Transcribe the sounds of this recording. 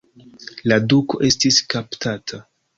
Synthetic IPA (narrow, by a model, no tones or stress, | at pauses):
laduko̞ʔe̞stiskaptʰatʰa